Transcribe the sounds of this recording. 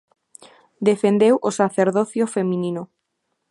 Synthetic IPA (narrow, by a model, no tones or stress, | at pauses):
d̪efend̪ewʔosaθeɾðoθjofemĩnino